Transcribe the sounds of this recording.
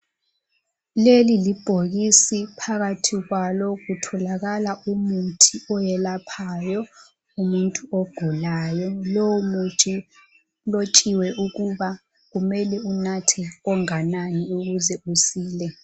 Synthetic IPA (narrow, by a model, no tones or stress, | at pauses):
lelilib̥ʱoɣisipʰaɣatʰiɣwalɔɣutʰɔlaɣalaumutʰiɔjɛlapʰajɔ | umuntʼuoɡ̥ʱulaːjɔlow | lot͡ʃʼiwɛʔuɣuβa | ɣumɛlɛunatʰɛɔŋananiuɣuzɛusiːlɛ